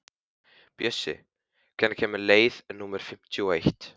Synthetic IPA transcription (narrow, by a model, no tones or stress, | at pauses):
pjœsːɪ̰ | kʰɛnːḁcʰɛːmɪleːjðɛnːuːmɛɾ̥fɪm̥t̪ʰjuɔejht̪